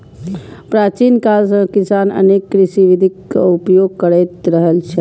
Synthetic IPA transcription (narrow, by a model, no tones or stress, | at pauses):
pɾat͡ʃinkalsə̃kisanə̰nekːɾisiʋid̪ʱikːupjoɡ̚kəɾəjt̪ɾəɦəlt͡ʃʰɛ